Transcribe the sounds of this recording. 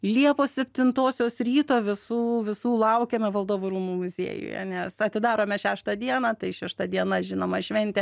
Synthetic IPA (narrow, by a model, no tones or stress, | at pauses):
lʲiɛpoːsʲɛpʲt̪ʲɪnt̪oːsʲoːsɾʲiːt̪oːʋʲɪsuːʋʲɪsuːlˠɐʊkʲeːmʲɛʋɐlˠd̪oːʋʊːɾuːmuːmʊzʲḭːjʊ̰jɛ̰nʲɛsɐt̪ʲɪd̪ɑːɾoːmʲɛʃʲæːʃt̪ɐd̪ʲiɛnɑt̪ɐɪʃʲɛʃt̪ɐd̪ʲiɛnɐʒʲɪnoːmɐʃʲʋʲɛnʲt̪ʲɛ